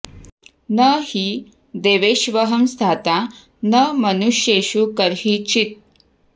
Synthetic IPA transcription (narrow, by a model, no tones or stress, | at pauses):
nəhiː | d̪eʋeɕʋəɦəmst̪ʰat̪a | nəmənuɕjeɕukəɾɦit͡ɕit̪̚